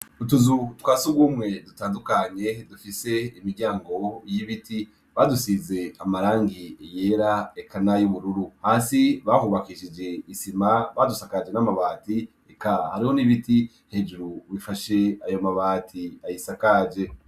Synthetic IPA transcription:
utuzutwaːsuɡuːmŋe̞dutaːndukaɲe̞dufise̞imiɾɟaːŋɡo̞jiβitʰi | βadusize̞amaɾaːŋɡieje̞ɾaekʰanajuβuɾuɾuhaːsiβahuβakiʃid͡ʒe̞isimaβadusakad͡ʒe̞namaβaːti | ekahaɾiho̞niβiti | he̞d͡ʒuɾuβifaʃe̞ajo̞maβaːtʰiajisakad͡ʒe̞

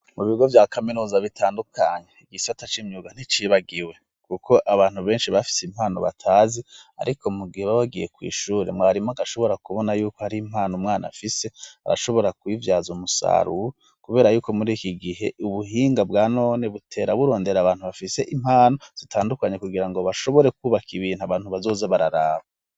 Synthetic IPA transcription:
muβiɡo̞vjaːkaminuːzaβitʰaːndukʰaɲeiɡisiatat͡ʃimɲuɡan̥it͡ʃiβaɡiwe̞ | kukʰo̞ʔaβaːn̥uβe̞ːnʃiβafi̥seim̥haːno̞̰βa̰tʰaːzia̰ɾikomuɡiheβawaɡije̞kwḭːʃuːɾemŋaɾimoaɡaʃo̞βo̞ɾakuβo̞najuːkohaɾiːm̥haːnomŋaːna̰fise̞a̰ɾa̰ʃo̞βo̞ɾakwivjaːzumusa̰ɾu | kuβe̞ːɾajuːko̞muɾiːkiɡiɦe̞̰uβuɦiːŋɡabɡaːno̞ːne̞βutʰe̞ːɾaβuɾo̞ːnde̞ɾaβaːn̥huβafise̞ʔim̥haːno̞z̥itʰaːndukaɲe̞kuɡiɾaŋɡo̞βaʃo̞βoɾe̞kuːβakʰiβiːnhuaβaːn̥huβazo̞ːzaβaɾaɾaːβa

